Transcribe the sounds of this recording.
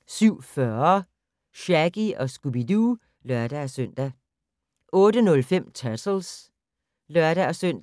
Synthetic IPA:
syʊ̰fɶɐ | ɕæɡ̥iɒ̽sɡ̥ub̥idu | lɶɐ̰d̥æsøn̰d̥æ | ʔɔ̽ːɾənɔ̽lfem̰t͡sʰæsl̩s | lœɐ̰ɾ̥æɒsœn̰d

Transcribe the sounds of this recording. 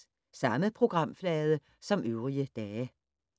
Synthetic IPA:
sɑ̈məpʰʁo̝ɡ̥ʁɑ̈m̰flɛːð̞ˠə | sɒ̽mʔøʊʁiəd̥ɛː

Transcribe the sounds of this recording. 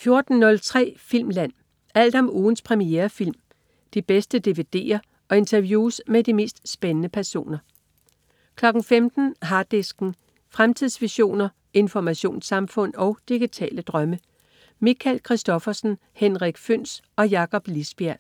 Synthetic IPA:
fjo̝ɐd̥n̩ːɔ̽lt͡sʰʁɛ̰ːfil̰mlæn̰ | æl̰d̥ɒ̽muːn̩spʰʁɛmieːɐfil̰m | d̥ib̥esd̥əd̥e̝ʋe̝d̥e̝̰ːɐ | ɒ̽e̝nt͡sʰɐʋjuːsmed̥ime̝̰ːsd̥sb̥enənəpʰæɐso̝̰ːnɐ | kʰlɒ̽ɡ̥n̩femd̥n̩ɦɑ̈ːd̥esɡ̥n̩ | fʁamt͡sʰiðˠsʋiɕo̝̰ːnɐ | e̝nfɒmæɕo̝̰ːnsɑ̈mfɔ̽n̰ɒ̽ʊd̥iɡ̥it͡sʰɛ̰ːləd̥ʁɶmə | mikʰælkʰʁisd̥ɒ̽fɐsn̩ | henʁiɡ̥føn̰sɒ̽jɑ̈kɒ̽b̥lisb̥æɐ̰

